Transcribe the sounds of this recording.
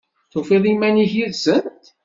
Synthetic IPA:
θofiðˤimæniçiðsənt̪

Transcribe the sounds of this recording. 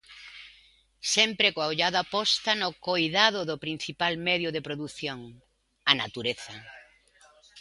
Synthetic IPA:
sɛmpɾekoaoʎaðapɔst̪anokojðaðʊðʊpɾin̟θipalmɛðjʊðepɾoðuθjoŋ | anat̪uɾeθɐ

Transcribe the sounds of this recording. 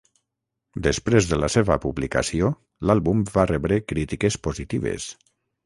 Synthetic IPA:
d̪əspɾezðəlaseβəpuβlikə̰sio | lalˠβumvarɛβɾekɾit̪ikespozit̪iβḛs

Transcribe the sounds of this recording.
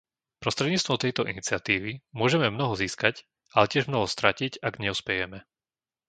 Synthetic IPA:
pɾɔst̪ɾɛd̪ɲiːt͡st̪ʋɔmt̪ɛjt̪ɔʔinit͡sɪat̪iːʋimʊɔʒɛmɛmnɔɦɔziːskac | alɛcɪɛʒmnɔɦɔst̪ɾacicaɡɲɛuspɛjɛmɛ

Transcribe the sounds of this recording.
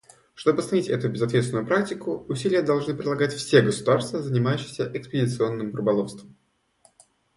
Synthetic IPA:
ʂt̪o̞bɨsɐnʲitʲɛt̪ʊbʲɪzɐt̪vʲet̪sʲɪnʊjʊpɾak̚tʲɪkʊʊsʲilʲɪjəd̪ɐlˠʐnɨpɾʲɪdlˠɐɡatʲfsʲeɡəsʊd̪arst̪vəzənʲɪmajʉɕːɪ̥xsʲəʔɪkspʲɪdʲɪt̪sɨo̞nːɨmɾʊbɐlˠofst̪vəm

